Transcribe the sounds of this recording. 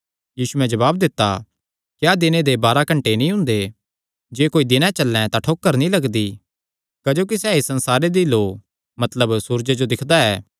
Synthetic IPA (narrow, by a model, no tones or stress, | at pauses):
jiːsuɛ̃d͡ʒɐβaːb̚d̪ɪt̪ːa̰ | kjad̪ɪned̪ebaːɾakɐ̃ɳʈenĩɦʊ̃nd̪e | d͡ʒeːkoːid̪ɪnɛ̃t͡ʃɐlːɛ̃t̪aʈʰoːkːəɾnĩlɐɡd̪i | kɐd͡ʒoːkisɛːisɐ̃nsaːɾed̪iloː | mɐt̪ləbsuːɾd͡ʒed͡ʒod̪ɪkʰd̪aɛː